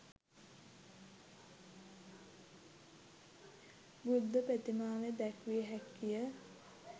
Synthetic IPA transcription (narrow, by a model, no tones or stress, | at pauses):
bud̪ːəpæt̪imaːʋed̪ækʋiːɦækːijə